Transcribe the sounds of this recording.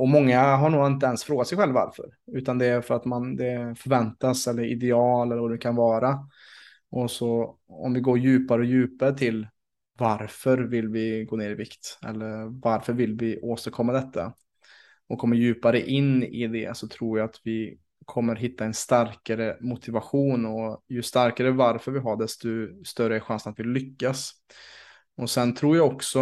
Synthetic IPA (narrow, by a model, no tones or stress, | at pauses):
ɔmɔŋːaɦaɳuːɡɪnt̪̬əɛnsfɾoːɡat̪sɛjɧɛlva̰ɾfœ̰ɾʉ̟ːt̪and̪ɛæɾfœɾat̪mand̪ɛfœɾvɛnt̪asɛlːəɾɪ̰d̪ɛɑːlɛlːɾvaɖɛkʰanvɑːɾa | ʔɔsɔɔ̰mvɪɡoːɾjʉ̟ːpaɾəɔjʉ̟ːpaɾət̪ʰɪl | vaɾfœɾvɪlːvɪɡoːneːɾɪvɪkt̪ɛ̰lːəɾvaɾfœɾvɪlvɪʔoːst̪əɾkʰɔmːad̪ɛt̪ʰːa̰ | ɔkʰːɔmːəɾjʉ̟ːpaɾəʔɪnːɪ̰d̪ɛ̰sɔt̪ʰɾuːɾjaat̪vɪ | kʰɔmːəɾɦɪt̪ːaɛnst̪aɾkaɾəmʊt̪ʰɪvaɧuːnɔjɵst̪aɾkaɾəvaɾfœɾvɪɦaɖɛst̪ʊst̪œɾəɛɧansənat̪vɪllːʏkːas | ɔsɛnt̪ʰɾuːɾjaɔksɔ